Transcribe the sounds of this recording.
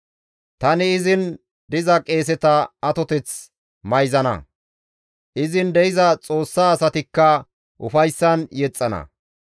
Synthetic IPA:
t̪ɐnɪɪzɪn | d̪ɪzɐkʼe̞ːs̬ɛt̪ɐɐt̪ɔt̪ɛt͡s | mɐjzɐnɐ̰ | ʔɪzɪnd̪ɛɪzɐt͡sʼo̞ːsːaːsɐt̪ɪkːɐ | ʔʊ̰fɐjsːɐnjɛt͡sʼːɐnɐ̰

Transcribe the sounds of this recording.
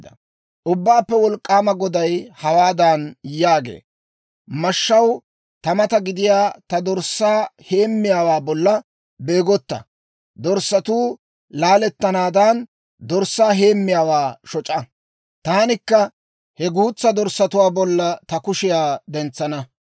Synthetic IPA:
d̪ɐ | ʔʊbːaːpːɛwɔlkʼːaːmɐɡɔd̪ɐjhɐwaːd̪ɐnjaːɡḛː | mɐʃːɐw | t̪ɐmɐt̪ɐɡɪd̪ɪjaːt̪ɐd̪ɔɾsːaːhe̞ːmːɪjaːwaːbɔlːɐ | be̞ːɡɔt̪ːɐ̰ | d̪ɔɾsːɐt̪uː | laːlɛt̪ːɐnaːd̪ɐn | d̪ɔɾsaːɦe̞ːmːɪjaːwaːʃɔt͡ʃʼɐ | t̪aːnɪkːɐ | hɛɡuːt͡sːɐd̪ɔɾsːɐt̪ʊwaːbɔlːɐt̪ɐkʊʃɪjaːd̪ɛnt͡sːɐnɐ

